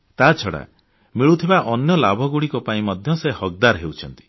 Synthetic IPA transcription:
t̪at͡ʃʰɔɽa̰ | miɭut̪ʰibaʔɔnjɔlabʱɔɡuɽikɔpaĩmɔd̪ʱjɔsehɔk̚d̪aɾɦeuwt͡ʃʰɔnt̪i̥

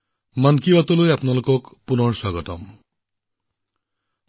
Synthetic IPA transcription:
mankibatɔlojapnalʊkɔkpunɔɹswaɡɔtɔm

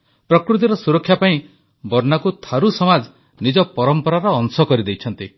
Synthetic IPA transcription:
pɾɔkɾut̪iɾɔsuɾɔkʰːjapaĩ | bɔɾnakut̪ʰaɾusɔmad͡ʒ | nid͡ʒɔpɔɾɔmpɔɾaɾɔːŋsɔkɔɾid̪ejt͡ʃʰɔnt̪i

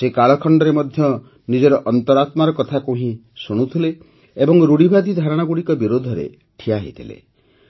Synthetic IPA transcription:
sekaɭɔkʰɔɳɖɔɾemɔd̪ʱjɔ | nid͡ʒɔɾɔʔɔnt̪ɔɾat̪maɾɔkɔt̪ʰakuɦĩsuɽ̃ut̪ʰileː | bɔŋɾuɽibʱad̪ʱid̪ʱaɾɔɽ̃aɡuɽikɔbiɾod̪ʱɔɾḛ | ʈʰijaɦḭt̪ʰḭlḛ

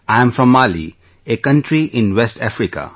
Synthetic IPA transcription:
ãɪə̃mfɾɔ̃mːaːlḭ | ekʌ̃nʈɾiʔɪ̃nʋesʈæfɾika̰

